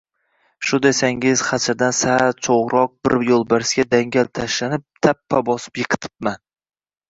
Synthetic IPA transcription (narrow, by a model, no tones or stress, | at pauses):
ʃʊnd̪ajsaŋɪz̥χɑt͡ʃʰaɾd̪ansat͡ʃʰoʁɾɒq̚bɪɾjolˠbaɾsɡʲad̪aŋɡʲalt̪ʰaʃlanɪp̚t̪ʰapʰːabɒsɪ̥pjɨqʰɨ̥t̪ʰɪ̥p̚man